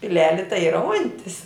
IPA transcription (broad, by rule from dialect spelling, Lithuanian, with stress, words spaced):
pʲɪˈlʲæːlʲɪ tɐɪ ˈiːrɐ ˈʊnʲtʲɪs